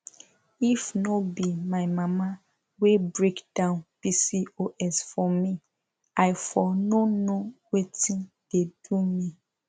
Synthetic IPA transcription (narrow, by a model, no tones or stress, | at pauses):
ifnɔbimaɪmama | webɹekd̥ãʊ̃npisioʔɛsfɔmi | aɪfɔnonowetĩn | d̥edumi